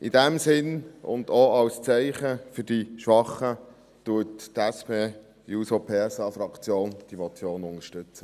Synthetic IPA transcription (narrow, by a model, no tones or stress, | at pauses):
ʔɪdɛmsɪnʊ̰ndoɑwst͡sɛɪχəfʏɾd̥iʃʋɑχə | tuəttɛspeː | juːsopʰeːsɑfɾɑkt͡sjoːnd̥imɔt͡sjoːnʊŋəʃtʏt͡sə